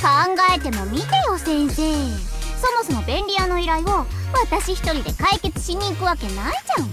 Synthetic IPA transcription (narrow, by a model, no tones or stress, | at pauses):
kãŋɡae̞t̪e̞mo̞mʲit̪e̞jo̞sẽ̞ɰ̃se̞ː | so̞mo̞so̞mo̞bẽ̞nʲɾʲiano̞iɾaio̞ | βat̪aɕiçi̥t̪o̞ɾʲid̪e̞kaike̞t͡sɨ̥ɕiɲ̟iːkɯ̟βake̞naid͡ʑãɯ̃